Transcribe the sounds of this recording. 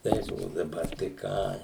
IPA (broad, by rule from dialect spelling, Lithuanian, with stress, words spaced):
ˈtɐɪs oː dɐˈbɐr tɐɪ ˈkɑː